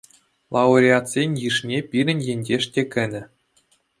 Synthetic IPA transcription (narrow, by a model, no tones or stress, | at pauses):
lˠɑuɾʲiat̪sʲenʲjɯʂnʲepʲiɾʲɘ̆nʲjenʲd͡ʑʲeʂtʲekʲɘ̆nʲɘ̆